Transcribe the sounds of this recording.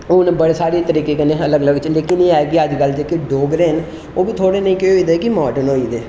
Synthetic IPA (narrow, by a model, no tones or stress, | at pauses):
ʊnbəɽeːsaːɾeːt̪əɾiːkeːkənẽːələɡələɡt͡ʃəleːkɪnĩːaːeɡiːəd͡ʒkəlt͡ʃəkɪɖoːɡɾeːn | oːbiːt̪ʰoːɽeːnəĩːkeoiːd̪eːkɪmɔːɖənoːiːd̪eː